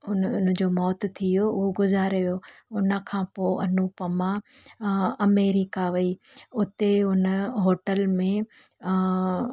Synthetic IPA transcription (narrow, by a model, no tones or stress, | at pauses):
ʊnnəd͡ʑoːmɔːt̪t̪ʰijoʊɦoɡʊzaːɾeʋijoʊnə̆kʰãːpoːɐnupəmã | ɐmeːɾɪkaʋɐiʊt̪eʊnəɦoːʈəlmẽ